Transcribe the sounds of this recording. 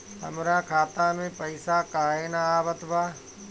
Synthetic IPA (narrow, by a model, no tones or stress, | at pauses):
hɐ̰mɾaːkʰaːt̪amẽpɐɪsakaːɪnaaːʋət̪bʱaː